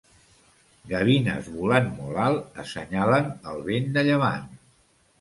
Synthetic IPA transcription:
ɡəβ̞inə̰zβulanmɔlalˠəsəɲalənəlˠβend̪əʎəβ̞a̰n

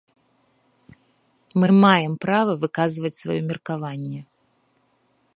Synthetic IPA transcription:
mɨmajɛmpɾavɐvɨkazvɐt͡sʲsva̰jɔmʲirkavanʲːɛ

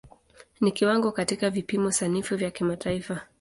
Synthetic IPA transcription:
nikiwaŋɡɔkatikavipimɔsanifuvjakimataifa

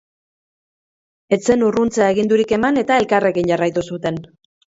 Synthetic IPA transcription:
e̞t͡se̞nurunt͡seae̞ɣind̪uɾike̞mane̞t̪ae̞lkare̞ɣinɟarajt̪usut̪e̞n

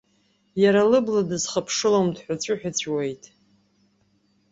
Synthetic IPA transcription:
jaɾalɨbladɨzχapʰʂɨlomdħʷᶣat͡ɕʷʼʊħᶣat͡ɕʷʰʼwejtʼ

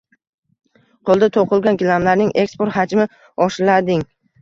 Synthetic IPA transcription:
qʰolˠd̪at̪ʰoqʰɨlˠɡʲankʲɪlamlaɾnɪŋe̞kspoɾt̪had͡ʒmɪ | ɒʃlad̪ɪŋ

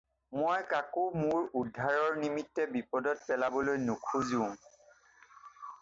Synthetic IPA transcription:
mojkakumʊɹudʱːaɹɔɹnimitːɛbipɔdɔtpɛlabɔlojnukʰuziʊ̃

